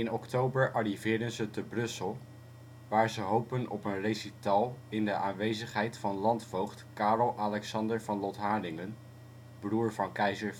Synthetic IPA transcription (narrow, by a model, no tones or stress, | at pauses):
ɪnɔktowbəɹʔɑrivɪːɹdənzətəbrɵsəlˠ | ʋaːɹəzəɦowpənɔpənrejsitalˠɪndəʔaːnʋejzəχɦɛjtfɑnlɑntfowχtkaːrɔlˠʔalɛksɑndəɹvɑnlɔtɦaːdɪŋən | bruːɹvɑnkɛjzəɹ